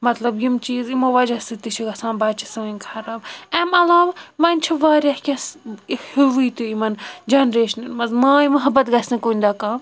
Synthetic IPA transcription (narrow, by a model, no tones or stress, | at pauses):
mɐt̪lɐbjimt͡ʃiːzimoʋɐd͡ʒɐsɨt̪iʃʰiɡɐsãːnbaːt͡ʃʰɐsɐnʲkʰɐɾaːbɐmɐlaːʋamɐnʲt͡ʃʰɐʋaːɾʲɐhkʲɐshuʋit̪uimɐnd͡ʒɐnɾeːʃɐnɐɾmɐzmaːimɐɦɐbɐt̪ɡɐsnɐkoːnʲd̪aːkaːm